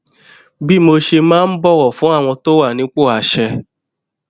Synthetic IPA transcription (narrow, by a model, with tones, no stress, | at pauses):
bi˦˨mo˧ʃe˧mãː˦˧n̩˦bɔ˦ɾɔ˦˨fũ˨˦a˦˨w̃ɔ̃˧to˦wa˦˨nĩ˨˦k͡po˦˨a˨ʃɛ˧